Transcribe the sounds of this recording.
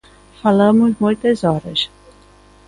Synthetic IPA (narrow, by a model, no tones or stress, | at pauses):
falɐ̃mʊzmũj̃t̪ɐzɔɾɐs